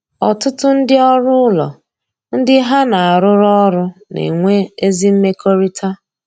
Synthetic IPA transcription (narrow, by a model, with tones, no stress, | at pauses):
ɔ˨tʊ˦tʊ˦n̩˦dɪ˦ɔ˦ɾʊ˦ʊ˦lɔ̰˨ | n̩˦dɪ˦ɦa˦na˨a˨ɾʊ˦ɾɔ˦ɾʊ˦nḛ˨ŋʷe˦e˦zi˦m̩˦me˦ko˦ɾi˦tʰa˦